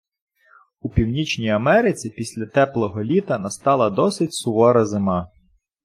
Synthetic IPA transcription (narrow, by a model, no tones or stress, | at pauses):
upʲiwnʲit͡ʃnʲijɐmɛɾɪt͡sʲipʲisʲlʲɐt̪ɛplˠɔɦɔlʲit̪ɐnɐst̪ɑlˠɐd̪ɔsɪtʲsʊʋɔɾɐzɪmɑ